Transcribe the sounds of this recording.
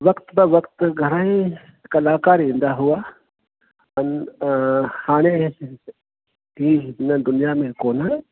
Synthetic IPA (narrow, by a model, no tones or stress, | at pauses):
ʋɐkt̪bɐʋɐkt̪ɡʱɐɾaĩ | kɐlaːkaːɾẽnd̪aɦʊa | ɐn | haːnẽse | inad̪ʊnijamẽkoːna